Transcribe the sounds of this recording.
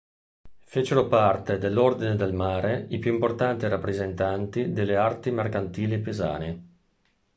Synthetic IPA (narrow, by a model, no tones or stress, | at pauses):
fet͡ʃeɾopart̪ed̪elːord̪ined̪elmaːɾeipjuimport̪ant̪iɾapːɾezent̪ant̪id̪elːeart̪imerkant̪iːlipeza̰ːne